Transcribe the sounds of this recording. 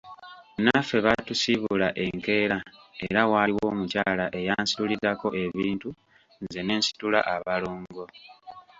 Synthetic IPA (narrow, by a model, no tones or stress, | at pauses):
unafe̞βatusiβulaʔe̞ŋke̞ːɾae̞ɾawaːliwo̞ːmucaːlaʔe̞jaːnsi̥tulizako̞ʔe̞βiːntu | nze̞ne̞ːnsi̥tula̰ʔaβaloːŋɡo̞